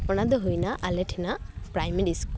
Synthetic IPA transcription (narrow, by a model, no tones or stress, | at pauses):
pɔnad̪ɔɦujnaʔalɛʈʰinapɾajmeɾisk